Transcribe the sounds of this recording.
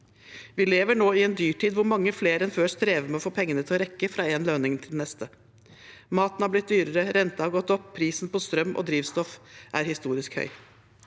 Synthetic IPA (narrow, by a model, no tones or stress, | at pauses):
ʋɪleːʋəɳoːɪɛnd̪yːʈʰiːd̪ʋʊɾmɑŋːəfleːɾɛnføːst̪ɾeːʋəmɛɔfoːpʰɛŋːənət̪ʰɪlɔɾɛkːəfɾɑːeːnlønɪŋt̪ʰɪlnɛst̪ə | mɑːt̪n̩hæɾblɪt̪̚d̪yːɾəɾəɾɛnt̪ɑhɑɾɡɔt̪ːɔpʰːɾiːsnpʰɔst̪ɾœmːʔɔ̰d̪ɾiːʋst̪ɔfʔæɾhɪst̪uːɾɪskhœ̰ʏ